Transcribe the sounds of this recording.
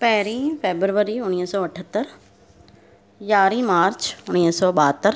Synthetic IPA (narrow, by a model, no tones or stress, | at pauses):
pɐɦɾĩːfʰeːbɾʋəɾiʊniːsɔːɐʈʰət̪ːəɾ | jaːɾĩmaːɾt͡ʃʊñiːsɔːɓaːt̪ːəɾ